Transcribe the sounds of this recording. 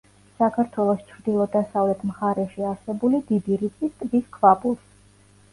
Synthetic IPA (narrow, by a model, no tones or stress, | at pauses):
sakʰaɾt̪ʰwɛlˠɔst͡ʃʰɾd̪ilˠɔd̪asavlɛt̪ʰmχaɾɛʃiaɾsɛbulid̪ib̪iɾit̪sʼist̪ʼviskʰvapʼulˠs